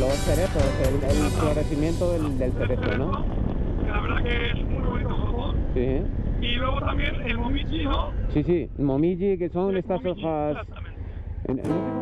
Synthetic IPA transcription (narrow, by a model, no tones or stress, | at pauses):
losθeɾeθɾoselelesklaɾeθimjẽ̞nt̪oðeld̪elθeɾetɾono | laβeɾðakeesmujβonit̪ofaɣosiiiweɣot̪ambjenelmomid͡ʒinosisimomid͡ʒikesoŋest̪asoxas | ḛn